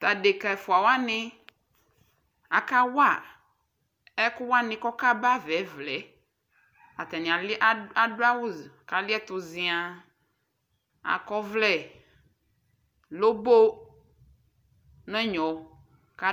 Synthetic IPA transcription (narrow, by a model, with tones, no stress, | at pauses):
t̪a˨ɖe˨ka˨fu˨a˨wa˦nɪ̃˦ | a˨ka˦wa˦˨ | ɛ˦kʊ˦wa˦nɪ̃˦kɔ˦ka˦ba˦vɛ˨˦vlɛ˨˦ | a˨t̪ɛ˨nĩ˨a˨la˦do˦a˦wʊ˦˨ka˨lɪ˦ɛ˦t̪ʊ˨zĩ˨a˨ | a̰˨kɔ˦vlɛ˨ | lo˦bo˦ | nɛ̃˦ɲɔ̃˨ | ka˦